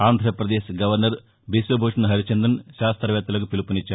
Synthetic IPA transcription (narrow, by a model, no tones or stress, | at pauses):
aːnd̪ʱɾɐpɾɐd̪eːʃɡɐʋɐɾnɐɾ | bisʋɐbʱoːʂɐnɐɦɐɾit͡ʃend̪ɐnʃaːst̪ɾɐʋɛːt̪ːulɐkupilupunit͡ʃːaː